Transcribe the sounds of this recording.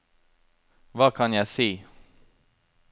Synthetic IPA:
vakʰanjaseː

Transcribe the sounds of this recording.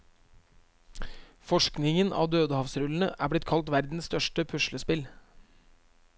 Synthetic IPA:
fɔʂknɪŋənʔɑ̰ːd̪øːd̪əhɑʋsɾʉln̩əʔæ̰ːblɪt̪̚kʰɑlt̪ʋæɾd̪n̩sst̪œʃʈəpʰʉʂləspɪl

